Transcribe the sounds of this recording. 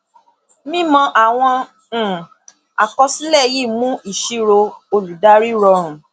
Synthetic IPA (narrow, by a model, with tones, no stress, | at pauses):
mĩ˦mɔ̃˧ʔa˨w̃ɔ̃˧˨ | a̰˨kɔ˧si˦lɛ˦˨ji˦˨mũ˦i˦˨ʃi˦ɾo˧o˧lu˨da˦ɾi˦ɾɔ˧ɾ̃ũ˨